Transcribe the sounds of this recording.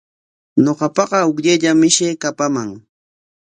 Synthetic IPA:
ɲoqɑpɑɢɑʊkʎaʎamɪʃeːkapamaŋ

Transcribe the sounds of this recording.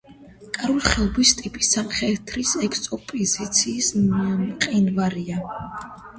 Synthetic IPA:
kʼaɾuliχɛlˠbist̪ʼipʼi̥sːamχɛt̪ʰɾisɛkʰsɔpʼizit̪sʰiːs | qʼinvaɾia

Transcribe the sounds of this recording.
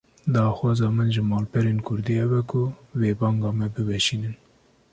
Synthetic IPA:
d̪ɑːxwɑːzɑːmɨnʒɨmɑːlpʰɛɾeːnkʰʊɾd̪ihɛbɛkʰʊveːbɑːŋɡɑːmɛbɨvɛʃiːnɨn

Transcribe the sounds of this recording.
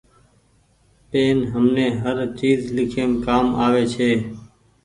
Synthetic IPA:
peːnɦəmneːɦəɾt͡ʃiːzlɪkʰeːmkaːmaːʋeːt͡ʃʰeː

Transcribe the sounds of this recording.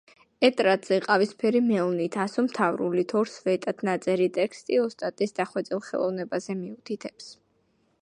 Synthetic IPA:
ɛt̪ʼɾad̪z̥ɛqʼavispʰɛɾimɛɔnit̪ʰasɔmt̪ʰavɾṵlit̪ʰɔɾsvɛt̪ʼat̪ʰnat̪sʼɛɾit̪ʼɛkst̪ʼiɔst̪ʼat̪ʼisd̪aχwɛd̪sʼilˠχɛ̰lˠɔ̰vnɛbazɛmiut̪ʰit̪ʰɛps

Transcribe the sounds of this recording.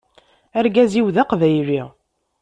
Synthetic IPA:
æɾɡæziwðaqvæjɾi

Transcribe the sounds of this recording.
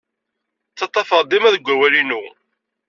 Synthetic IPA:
t͡sːɑt̪ˤːɑfəɾˤd̪ˤimæðəɡʷːæwælinu

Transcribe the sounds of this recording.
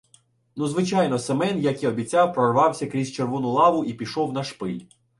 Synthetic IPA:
nuzʋɪt͡ʃɑjnɔsemɛnjɐkiɔbʲit͡sʲɑwpɾɔrʋɑwsʲɐkɾʲizʲt͡ʃerʋɔnʊlˠɑʋʊʔipʲiʃɔwnɐʃpɪlʲ

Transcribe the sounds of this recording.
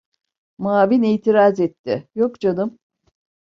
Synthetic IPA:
maːviniːt̪ʰiɾazɛt̪ːɪjokd͡ʒanɯm

